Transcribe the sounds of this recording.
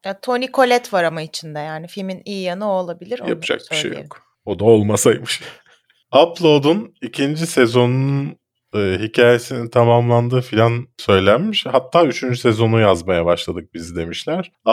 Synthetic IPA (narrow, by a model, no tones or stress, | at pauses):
at̪ʰo̞nikʰo̞lʲɛt̪vaɾamait͡ʃʰind̪ɛjaːnifilʲminijijanɯolˠabilʲiɾja̰pɯd͡ʒa̰k̚biʃʃḛjo̰k | o̞d̪ao̞lˠmasajmɯʃ | aplˠo̞d̪unicʰind͡ʒisɛzo̞nunun | ɯːɦicʰaːjesinint̪ʰamamlˠand̪ɯːfilʲansø̞jlʲænmiʃhat̪ʰːaːyt͡ʃʰynd͡ʒysezo̞nujazmajabaʃlˠad̪ɯk̚bizid̪e̞miʃlʲæɾ̥